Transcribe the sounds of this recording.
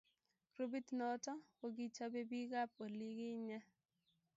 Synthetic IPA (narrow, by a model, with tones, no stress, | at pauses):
kɾo˦bi˦tnɔ˨˦tɔ˦wo˦ɡi˦t͡ʃa˦be˦bi˦ɡa˦p̚o˨li˦ɡɪ˦ɲa˦